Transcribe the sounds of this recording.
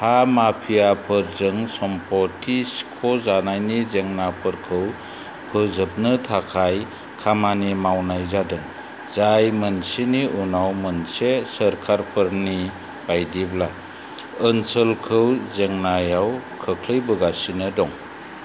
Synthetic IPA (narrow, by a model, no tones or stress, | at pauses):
hamapʰijapʰɯɾzɯŋsɔmpɔtʰiskʰɔzanajnizeŋnapʰɯɾkʰɯw | pʰɯzɯp̚nɯtʰakʰaj | kʰamanimawnajzadɯŋ | zajmənsiniʔunawmənsesəɾkʰaɾpʰɯɾni | b̥ajdibla | ɯnsəlkʰɯwzeŋnajawkʰəkʰlɯjbɯɡasinɯdɔŋ